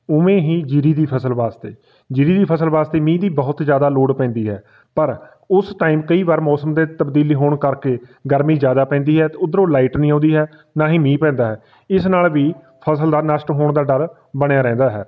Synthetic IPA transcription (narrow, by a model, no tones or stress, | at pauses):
ʊmẽːɦiːd͡ʒiɾiːd̪iːpʰəsəlʋaːst̪eː | d͡ʒiːɾiːd̪iːpʰəsəlʋaːst̪eːmĩːd̪iːbɔɦʊt̪d͡ʒjaːd̪aːloːɽpɛ̃ːnd̪iːɦɛ̰ː | pəɾ | ʊsʈaːiːmkəiːʋaːɾmɔːsəmd̪eːt̪əbd̪iːliːɦoːɳkəɾkeːɡəɾmiːzjaːd̪aːpɛ̃ːnd̪iːɦɛːt̪ːʊd̪əɾoːlaːiʈnĩːãːnd̪iːɦɛː | naːɦĩːmĩːpɛ̃ːnd̪aːɦɛː | ɪsnaːlʋiː | pʰəsəld̪aːnəʃʈɦoːɳd̪aːɖəl | bəɽ̃jaːɾɛ̃ːnd̪aːɦɛː